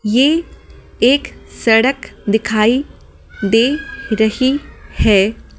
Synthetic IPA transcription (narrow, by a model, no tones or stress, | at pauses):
jeː | eːksɐɽəkd̪ɪkʰaːi | d̪eːɾɐɦihɛː